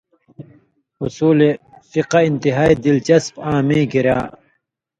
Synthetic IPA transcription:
usuːle | fiqɐint̪iɦaːid̪ilt͡ɕɐspãːmĩːɡiɾa̰ː

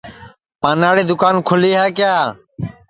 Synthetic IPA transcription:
pãːnaːɽeːd̪ʊkaːnkʰʊliːɦaːkjaː

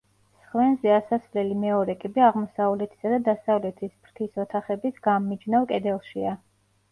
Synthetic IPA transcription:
sχvɛnzɛasasvlɛlimɛɔɾɛkʼibɛaʁmɔsavlɛt̪ʰi̥sad̪ad̪asavlɛt̪ʰisbɾt̪ʰisɔt̪ʰaχɛbisɡamːid͡ʒnavkʼɛd̪ɛlˠʃia

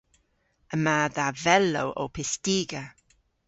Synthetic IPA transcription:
əmaːðavɛlːo̰wʔo̰ːpʰɪstiːɡə

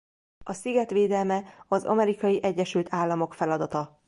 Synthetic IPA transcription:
ɒsiɡɛt̪ʋeːd̪ɛlmɛɒzɒ̰mɛɾikɒjiʔɛɟːɛʃylt̪ʰaːlːɒmo̞kfɛlɒd̪ɒt̪ɒ

